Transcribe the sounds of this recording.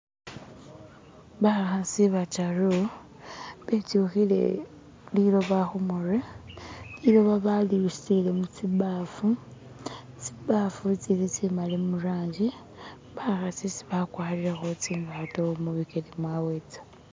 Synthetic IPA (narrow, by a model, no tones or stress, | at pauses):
βaxasiβataro | βetuxilḛ | lilo̞βaxumorelilo̞βaβaliustilemut͡siβafu | t͡siβafut͡silit͡simalemuraːɲɟi | βaxasisi̥βakwaːliɾaxot͡simbatoomuβikelimwawet͡sḁ